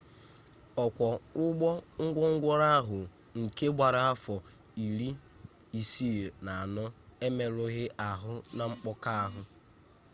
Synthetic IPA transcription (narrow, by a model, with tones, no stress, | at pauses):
ɔ˨kʷɔ˨ʊ˦ɡ͡bɔ˦ŋ̩˦ɡʷɔ˦ŋ̩˦ɡʷɔ˦ɾa˦a˦ɦʊ˨ | ŋ̩˨ke˦ɡ͡bʷa˨ɾa˨a˦fɔ˨ | i˨ɾi˦ | i˨si˦e˨na˨a˨nɔ˦e˦me˨ɾʊ˦ɣɪ˦ʔa˨ɦʊ˦na˨ŋ͡m̩˦k͡pɔ˦ka˦a˦ɦʊ˦